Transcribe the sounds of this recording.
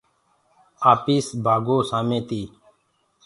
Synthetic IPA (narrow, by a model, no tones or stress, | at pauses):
aːpiːsbʱaːɡoːsaːmẽːt̪iː